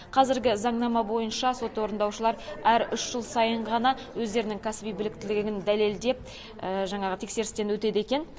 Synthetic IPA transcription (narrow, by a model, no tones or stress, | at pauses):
qʰɑzɪɾɡʲɪzɑɴnɑmɑbo̞jənʃɑso̞t̪wo̞ɾənd̪ɑwʃəlˠɑɾæɾʏʃʒ̥əlˠsɑjəɴʁɑnɑ | wɵzd̪e̞ɾɪnɪŋkʲʰæsbijbɪlɪk̚t̪ɪlɪɡʲɪɡʲɪnd̪æle̞ld̪e̞p̚ | əʒɑɴɑʁət̪ʰe̞kse̞ɾɪst̪e̞nwɵt̪e̞d̪e̞kʲe̞n